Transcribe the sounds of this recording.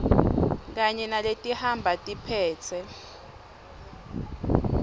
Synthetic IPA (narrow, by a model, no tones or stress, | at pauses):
k̬aɲɛnaletʼihambʱatʼipʰɛːt͡sʰɛ